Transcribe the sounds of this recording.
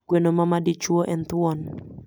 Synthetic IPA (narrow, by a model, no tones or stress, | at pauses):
kuɛnɔmamadit͡ʃuɔʔɛnt̪uɔn